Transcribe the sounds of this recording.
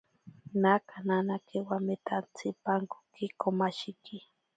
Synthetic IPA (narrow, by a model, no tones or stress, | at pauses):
nakananakewamet̪ant͡sʰipaŋko̥kikomaʃiki